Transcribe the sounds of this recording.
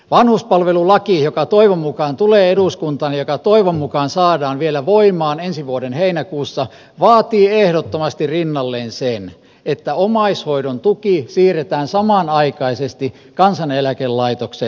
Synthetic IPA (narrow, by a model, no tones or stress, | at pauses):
ʋɑnhuspɑlʋelulɑkijokɑt̪oiʋomːukɑːnt̪uleːeɾuskunt̪ɑːnjokɑt̪oiʋomːukɑːnsɑːdɑːnʋielæʋoimɑːnensiʋuodenheinækuːsːɑ | ʋɑːt̪iːehdot̪ːomɑst̪irinːɑlːeːnsen | et̪ːæomɑishoidont̪ukisiːret̪æːnsɑmɑˑnɑikɑisest̪i | kɑnsɑnelækellɑit̪okse